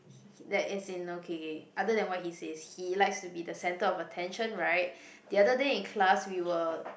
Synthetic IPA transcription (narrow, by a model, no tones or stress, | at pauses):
dɛtɪtsɪ̃nokʰeʔadədɛ̃nwɔt̚hiseshilaɪkstubidəsɛ̃ntəɔfətʰɛ̃nʃə̃nɹaɪt̚ | diadədeɪ̃nkʰlaswiwəl